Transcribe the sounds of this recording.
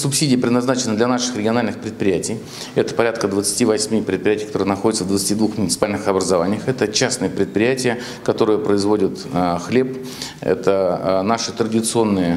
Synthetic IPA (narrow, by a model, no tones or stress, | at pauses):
sʊpsʲidʲɪjəpɾʲɪd̪nɐznat͡ɕɪnəd̪lʲɐnaʂɨ̥xrʲɪɡʲɪɐnalʲnɨxpɾʲɪt̪pɾʲɪjætʲɪj | ɛt̪ə̥pɐɾʲat̪kəd̪vət̪sɨ̥tʲivɐsʲmʲipɾʲɪt̪̚pʲɾʲɪjætʲɪjkɐt̪oɾɨjnɐxodɪt̪səvd̪vət̪sɨ̥tʲid̪vuxmʊnʲɪt̪sɨ̥palʲnɨxɐbɾəzɐvanʲɪjəxɛt̪ət͡ɕasnɨjəpɾʲɪt̪̚pɾʲɪjætʲɪjə | kɐt̪o̞ɾɨjəpɾəɪzvodʲɪt̪xlʲe̞p | ɛ̰t̪ənaʂɨt̪ɾədʲɪt̪sɨo̞nːɨjə